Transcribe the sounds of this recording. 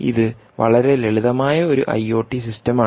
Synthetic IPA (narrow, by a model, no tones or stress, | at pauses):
ḭðɨ | ʋɐ̰ɭɐɾe̞leɭiðɐmaːjɐo̞ɾṵʔɐ̰jːo̞ːʈːisistɐmaː